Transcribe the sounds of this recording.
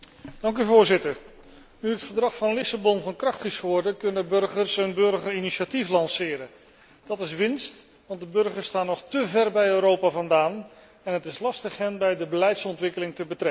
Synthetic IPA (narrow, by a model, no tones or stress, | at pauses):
d̥ɑŋk̬yvʊːɹzɪtəɹ | nyɦətfəɹdrɑχfɑnlɪsabɔnvɑnkrɑχtχisχʊːɹdəkɵnəbɵɹχəɹsɛnbɵɹχəriniʃatiflɑnsɪːɾən | d̥ɑtɪsʋɪnst | ʋɑnt̚dəbɵɹχəɹstaːnːɔχtəvɛrbɛjøːɾowpaːvɑndaːn | ɛnɦətɪslɑstəχɦɛnbɛjdəbəlɛjtsɔntʋɪkəlɪŋtəbətrɛk